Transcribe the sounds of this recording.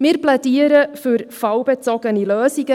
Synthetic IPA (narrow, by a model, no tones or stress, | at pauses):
mɪɾplɛdiːəɾəfʏɾfɑwbɛt͡sɔɡəniløːsiɡə